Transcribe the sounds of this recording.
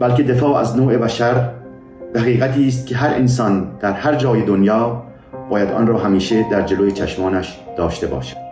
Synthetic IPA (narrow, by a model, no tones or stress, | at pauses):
bælkʲe̞d̪efɒːæ̰znoːʔe̞bæʃæɾ | d̪æɣiːɣæt̪ʰiːs̬t̪̚kʰʲeɦæɾʔens̬ɒːnd̪̥æɾhæɾd͡ʒɒːjed̪onjɒː | bɒːjæd̪ɒ̰nɾɒːɦæmiːʃe̞d̪æɾd͡ʒelojet͡ʃʰæʃmɒːnæʃd̪̥ɒːʃt̪e̞bɒ̰ːʃæ̥d̪